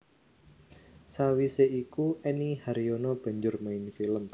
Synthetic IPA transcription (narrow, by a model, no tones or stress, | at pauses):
sawiseikuɛnihaɾiɔnɔb̥a̤ɲd͡ʒʊrmainfiləm